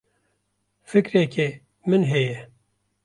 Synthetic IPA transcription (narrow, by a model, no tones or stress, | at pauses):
fɨkɾeːke | mɨnɦɛjɛ